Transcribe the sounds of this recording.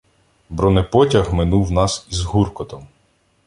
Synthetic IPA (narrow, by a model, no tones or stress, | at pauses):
bɾɔnepɔtʲɐɣmɪnuwnɑsizɦurkɔt̪ɔm